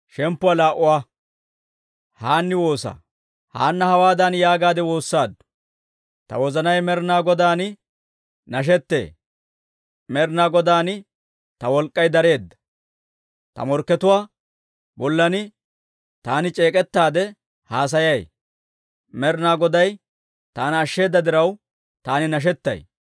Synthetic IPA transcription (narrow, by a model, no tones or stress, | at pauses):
ʃɛmpːʊwalaːʔʊwaː | haːnːɪwo̞ːsa̰ː | ha̰ːnːɐhɐwaːd̪ɐnjaːɡaːd̪ɛwo̞ːsːaːd̪ːʊ̥ | t̪ɐ̰wɔzɐnɐjmɛɾnaːɡɔd̪aːn | nɐʃ̬ɛt̪ːe̞̰ː | mɛɾnaːɡɔd̪aːn | t̪ɐwɔlkʼːɐjd̪ɐɾe̞ːd̪ːɐ̥ | t̪ɐ̰mɔɾkːɛt̪ʊwaː | bɔlːɐnɪ | t̪aːnɪt͡ʃʼeːkʼɛt̪ːaːd̪ɛ | haːs̬ɐjɐj | mɛɾnaːɡɔd̪ɐj | t̪aːnːʃːe̞ːd̪ːɐd̪ɪɾɐw | t̪aːnɪnɐʃ̬ɛt̪ːɐ̰j